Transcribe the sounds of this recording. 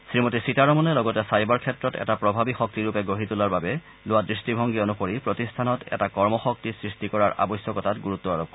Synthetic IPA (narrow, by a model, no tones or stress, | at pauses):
sɹimotisitaɹɔmɔnɛlɔɡɔtɛsajbaɹkʰɛtɹɔtɛ̰tapɹɔbʱabixɔk̚tiɹupɛɡoɦitulaɹbabɛ | lʊwadɹistibʱɔŋɡionuxoɹipɹotistʰanɔtɛ̰takɔɹmɔxɔk̚tisɹistikɔɹaɹa̰bɔjsjɔkɔtatɡuɹut̪ːɔaɹɔp̚kɔ